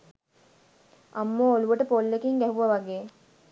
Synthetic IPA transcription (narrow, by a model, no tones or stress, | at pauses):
ʔɐmːoːoluʋəʈəpolːekiŋɡæɦuʋɐʋɐɡeː